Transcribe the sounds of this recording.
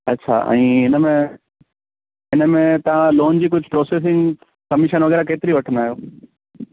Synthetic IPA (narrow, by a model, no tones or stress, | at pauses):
ɐtːɕʰa̰ʔɛ̰̃ːɪnəmẽ | ɪnəmẽt̪ɐʋ̤ãloːnd͡ʑiːkʊd͡ʑʱpɾoːseːs̬ɪ̃ŋɡ | kɐmɪʃənʋɐɣɛːɾakeːt̪ɪɾiʋɐʈʰə̃nd̪aːɦijoː